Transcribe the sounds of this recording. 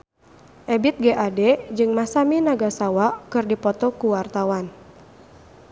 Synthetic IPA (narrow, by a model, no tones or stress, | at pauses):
ʔɛbit̪̚ɡeʔadɛd͡ʒɨŋmasaminaɡasawakɨrdipɔt̪ɔkuwart̪awan